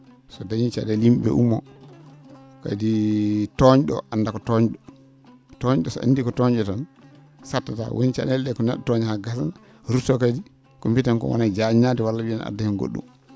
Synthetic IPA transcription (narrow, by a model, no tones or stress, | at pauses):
sɔdajint͡ʃa̰ɗɛlimɓɛ̰ʔumːɔ̰ | ka̰ditɔɲɗɔ̰ʔandakɔtɔɲɗɔ | tɔɲɗɔsa̰ndikɔtɔɲd͡ʒɛtan | satːata̰wʔo̰nt͡ʃa̰ɗɛldɛkɔnɛɗːɔtɔɲhaɡasan | ɾutɔkadi | kompitɛnkɔ̰wa̰nad͡ʒanadɛwalːawiana̰dahɛnɡo̰ɗːṵm